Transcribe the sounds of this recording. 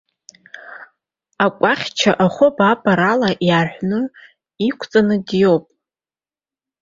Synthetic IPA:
akʷʼaχʲt͡ʃʰaʔaχʷʊbabʼaɾalaʔjaħʷnɨ | ikʷʰt͡sʼanɨdjo̞wpʼ

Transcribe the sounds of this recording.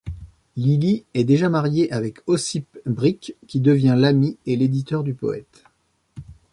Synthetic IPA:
liliɛd̪eʒamaʁjeʔavɛkʰɔsipbʁikʲːid̪əvjɛ̃lamieled̪it̪œʁd̪ypɔ̰ɛ̰t̪

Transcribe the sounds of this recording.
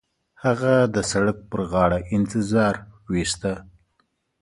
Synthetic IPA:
haɣad̪əsaɽək̚pəɾɣɑɽaʔɪnt̪ɪzɑɾwist̪a

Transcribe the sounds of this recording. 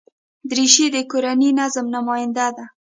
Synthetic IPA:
d̪ɾiʃid̪əkoɾaninazəmnamɑjɪnd̪ad̪a

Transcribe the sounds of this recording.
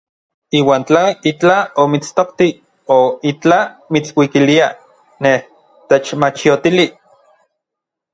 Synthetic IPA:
iːwaːnt͡ɬait͡ɬaomit͡st̪oqt̪i | oit͡ɬamit͡swikilia | neh | t̪et͡ʃmat͡ʃiot̪ili

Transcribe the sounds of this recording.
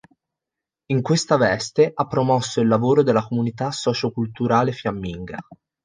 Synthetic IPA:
iŋkwest̪avɛst̪eʔapːɾomɔsːoilːavoːɾod̪elːakomunit̪asːɔːt͡ʃokult̪uɾaːlefjamːiŋɡa̰

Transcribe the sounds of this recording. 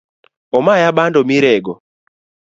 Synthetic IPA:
ɔmajabandɔmiɾɛɡɔ

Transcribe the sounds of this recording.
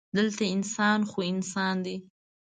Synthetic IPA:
d̪əlt̪aɪnsɑnxoɪnsɑnd̪i

